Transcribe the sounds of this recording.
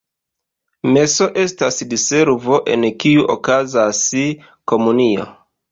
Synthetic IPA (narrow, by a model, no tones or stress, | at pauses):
me̞so̞ʔe̞stasdise̞ɾvo̞ʔe̞̰nkiuʔokazasi | ko̞munio̞̰